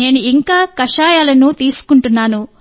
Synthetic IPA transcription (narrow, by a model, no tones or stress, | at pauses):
e̞ːnuiŋkaːkɐʂaːjaːlɐnut̪iːsu̥kuɳʈunːaːnu